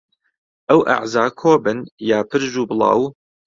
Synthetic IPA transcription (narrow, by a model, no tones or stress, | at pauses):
ʔɐwʔa̰ʕzaːkʰoːbɨnjaːpʰɨɾʒuːbɨlˠɑ̰ːw